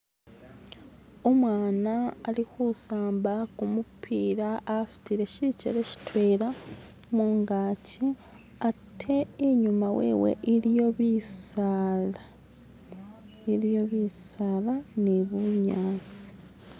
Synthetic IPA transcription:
o̞mwaːnaːlikusaːmbakumupʰiːɾaːsu̥tiɾe̞cicḛɾe̞ci̥twe̞ːɾa | muŋɡaːci | atʰːe̞ːɲumawḛːwḛʔiɾijo̞βisala | iɾjo̞βiːsaːlaneβuɲaːsi̥

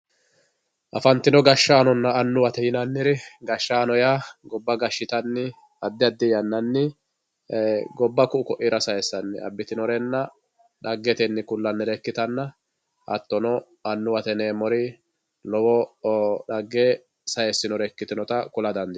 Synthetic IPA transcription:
ʔɐfɐnt̪ːɪnɔɡɐʃːaːnɔnːɐːnːʊwɐt̪ɛjɪnɐnːɪɾɪɡɐʃːaːnɔjaːɡɔbːɐɡɐʃːɪt̪ɐnːɪ | ɐd̪ːɪɐd̪ːɪjɐnːɐnːɪ | ɡɔbːɐkʊʊkɔʔɪɾɐsɐjɛsːɐnːɪɐ̰bːɪt̪ɪnɔɾɛnːɐ | ᶑɐɡːɛt̪ɛnːɪkʊlːɐnːɪɾɛkːɪt̪ɐnːɐ | ʔɐ̰t̪ːɔnɔ | ɐnːʊwɐt̪ɛneːmɔɾɪ | lɔwɔɗɐɡːe | sɐjɛsːɪnɔɾɛkːɪt̪ɪnɔt̪ɐkʊlɐd̪ɐnd̪ɪ

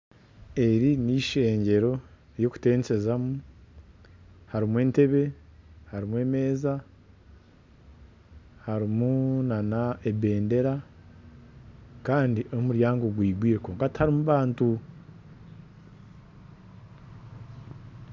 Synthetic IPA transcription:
e̞ɾiniʃe̞ːɲɟe̞ɾo̞ | jo̞ku̥te̞ːnse̞zamu | haɾimwe̞ːnte̞βe̞haɾimwe̞ːme̞ːza | haɾimunanaebe̞ːnde̞ɾa | kaːndiʔo̞muɾjaːŋɡoɡwiːɡwiːɾekoːŋkathaɾimuβaːntu

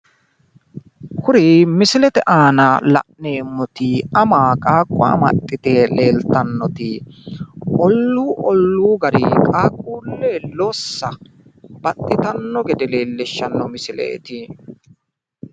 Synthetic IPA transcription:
kʊɾimɪsɪlɛt̪ɛʔaːnɐlɐ̰ʔneːmːɔt̪ɪɐmaːkʼaːkʼːwa̰mɐ̰t̪ʼːɪt̪eːle̞ːlt̪ɐnːɔt̪ɪ | ʔɔlːuːʔɔlːuːɡɐɾɪ̰kʼaːkʼːuːlːeːlosːɐ | b̥ɐt̪ʼːɪt̪ɐnːɔɡɛd̪ɛleːlːɛʃːɐnːɔmɪsɪlɛ̰ʔɛ̰t̪ɪ

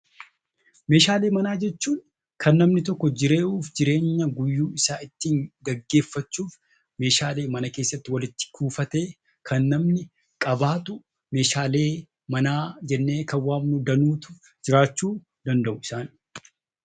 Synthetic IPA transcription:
me̞ːʃaːle̞ːmɐnaːd͡ʒɛt͡ʃːuːŋ | kʰɐnːɐmnɪt̪ɔkːɔd͡ʒɪɾe̞ːʔuːfd͡ʒɪɾe̞ːɲːɐɡʊjːuːɪsaːɪt̪ːiːŋɡɐɡːe̞ːfːɐt͡ʃːuːf | me̞ːʃaːle̞ːmɐnɐke̞ːsːɐt̪ːɪwɐlɪt̪ːɪ̥kʰuːfɐt̪e̞ː | kʰɐnːɐmnɪ | kʼɐbaːt̪ʊ | me̞ːʃaːleː | mɐnaːd͡ʒɛnːe̞ːkɐwaːmnʊd̪ɐnuːt̪ʊ̥ | d͡ʒɪɾaːt͡ʃːuː | d̪ɐnd̪ɐʔʊɪsaːn

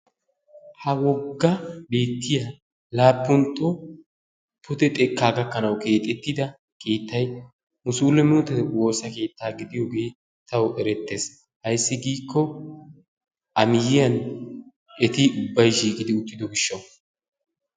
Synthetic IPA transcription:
hɐwɔɡːɐbe̞ːt̪ːɪja | laːpːʊnt̪ːɔ | pːʊt̪ɛt̪ʼɛkːaːɡɐkːɐnɐwke̞ːt̪ʼɛt̪ːɪd̪ɐ | kʰe̞ːt̪ːɐj | mʊsuːlɛmɪnʊt̪ːɛt̪wo̞ːsɐke̞ːt̪ːaːɡɪd̪ɪjoːɡe̞ː | t̪ɐwʔɛɾɛt̪ːe̞ːs | hɐjsːɪɡiːkʰːɔ | ʔɐmɪjɪjɐn | ʔɛt̪ɪʊbːɐjʃiːkʼɪd̪ɪʊt̪ːɪd̪ɔɡɪʃːɐw

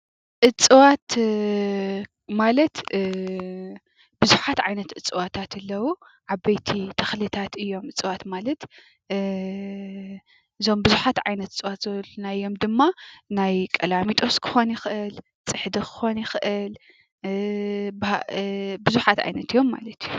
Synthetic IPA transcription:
ʔɨt͡sʼːɨwat̪ | malɐt̪ | b̥ɨzuħat̪ʕajnɐt̪ʔɨt͡sʼɨwat̪ʰat̪ʰɨlːɐwu | ʕaβɐjt̪ʰit̪ʰɐxlɨt̪ʰat̪ɨjːo̞mʔɨt͡sʼɨwat̪malɐt̪ | ʔɨzo̞mbɨzuħat̪ʕajnɐt̪ɨt͡sʼɨwat̪z̥ɐlonajːo̞md̪ɨmːanajkʼɐlamit̪ʼo̞skʰɨ̥xo̞njɪxʔɨl | t͡sʼɨħd̪ɨkʰɨ̥xo̞njɪxʔɨl | b | bɨzuħat̪ʕa̰jnɐt̪ɨjːo̞mːa̰lɐt̪ʰiju

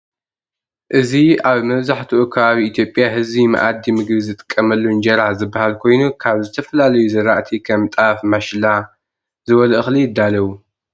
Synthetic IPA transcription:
ʔɨziaβmɐβzaħt̪ʰuʔukʰɐβaβiʔit̪ʰjo̞pʼjaɦɨzβima̰ʔad̪ːimɨɡβizɨt̪ʼɨ̥kʼːɐmɐlːund͡ʒɐɾaħzɨbːahalkʰo̞jnukʰaβzɨt̪ʰɐfɐlalɐjuzɐɾaʔt̪ʰikʰɐmt̪ʼafmaʃla | zɨβɐlɐʔɨxlijɪd̪ːalɐwu

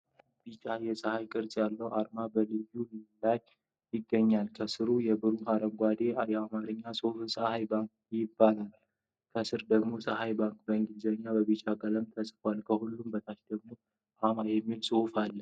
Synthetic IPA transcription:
bit͡ʃʼajɛsʼəhajkʼɨɾsʼjalːəwʔaɾmabəlɨjːulilaj | jɪɡːəɲːalkʰəsɨɾujɛbɨɾuɦaɾəmɡʷad̪e̞ajɛamaɾɨɲːasʼofsʼəhajbaŋk̚ | jɪbːalal | kʰəsɨɾd̪əɡmo̞sʼəhajbaŋkbəŋɡizəɲːabəβit͡ʃʼaɡələmt̪ʰəsʼfwalkʰəhulːumbət̪ʰaʃd̪əɡmo̞ | ʔamajɛmːilsʼɨfalːə

